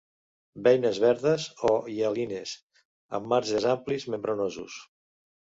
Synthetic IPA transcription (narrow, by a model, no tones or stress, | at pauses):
bɛjnəzβɛɾðəzojalines | ə̰mːaɾʒəzamplizmembɾonozṵs